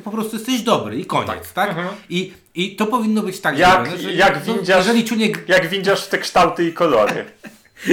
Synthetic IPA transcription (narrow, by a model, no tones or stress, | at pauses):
pɔpɾɔst̪ujɛst̪ɛʑd̪ɔbɾɨikɔ̰ɲt̪a̰t̪aki | it̪ɔpɔvʲinːɔbɘt͡ɕt̪aɡzjanɛʐɛjaɡvʲd͡ʑaɛʐɛlʲit͡ɕuɲʲɛɡjaɡvʲid͡ʑaʂft̪ɛkʂt̪awt̪ɨikɔlɔɾɨ̰